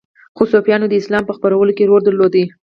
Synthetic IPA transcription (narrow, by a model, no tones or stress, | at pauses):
xosofjɑnod̪əɪslɑmpəxpəɾawəlokeɾoɾd̪əɾlod̪i